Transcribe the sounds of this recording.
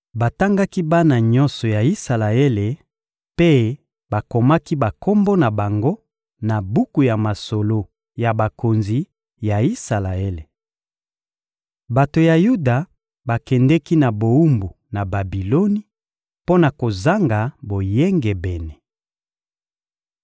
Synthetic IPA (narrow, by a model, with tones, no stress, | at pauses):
ba˨ta˦ŋɡa˦ki˦ba˦na˨ɲɔ̃˦nsɔ˨ja˨i˦sa˨la˨e˦le˨ | pe˦ | ba˨ko˨ma˦ki˦ba˨ko˦mbo˦na˨ba˨ŋɡo˦ | na˨bu˦ku˨ja˨ma˨so˨lo˦ | ja˨ba˨ko˨nzi˨ | ja˨i˦sa˨la˨e˦le˨ | ba˨to˨ja˨ju˦da˨ | ba˨kɛ˨ndɛ˦ki˦na˨bo˨u˦mbu˨ | na˨ba˨bi˨lo˦ni˦ | po˦na˨ko˨za˦ŋɡa˨bo˨jɛ˦ŋɡɛ˨bɛ˨nɛ˨